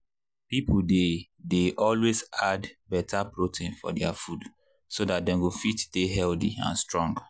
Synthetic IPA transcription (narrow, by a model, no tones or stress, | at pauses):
pipde | deʔɔlwezadbɛtʰapɹotʰĩnfɔ̰dɛa̰fud | sodat̚dɛ̃nɡofitdeɦɛldiã̰nstɹɔ̃ŋɡ